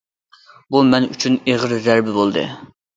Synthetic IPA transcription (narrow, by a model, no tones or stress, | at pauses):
bumɛny̰t͡ʃʰyneʁəɾzæɾbɪbolˠd̪ɨ̰